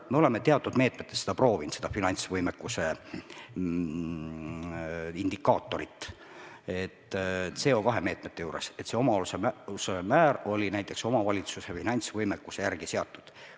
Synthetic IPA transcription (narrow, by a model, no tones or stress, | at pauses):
me̞o̞le̞me̞t̪e̞ɑt̪ːud̪̥me̞ːt̪ˑmet̪ːˑesse̥ɑpro̞ːvinsed̪ɑfinɑnʲt̪svɤjmekːuse̞ | ind̪̥ikːɑːt̪ːˑo̞ɾit̪ːˑ | et̪ːt̪ːse̞ːo̞kɑɦe̞me̞ːt̪ˑmet̪ːejuːɾe̞̰set̪se̞o̞mɑolusemsemæːɾo̞lʲinæjt̪ːˑe̞kso̞mɑvɑlʲit̪susefinɑnʲt̪svɤjmekːuse̞jærɡ̥iseɑt̪ˑːud̪̥